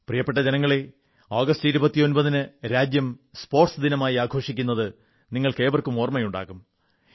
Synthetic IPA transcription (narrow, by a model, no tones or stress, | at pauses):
prijɐpːeʈːɐd͡ʑenɐŋːɐɭe̞ | aːɡɐstiɾubɐt̪ːijo̞nbɐðinɨɾaːd͡ʑjɐmspo̞ːrʈsɨd̪inɐmaːjiaːɡʰʱo̞ːʂikʲːun̪ːɐðɨ | niŋːɐɭke̞ːʋɐrkumo̞ːrmɐjuɳɖa̰ːɣum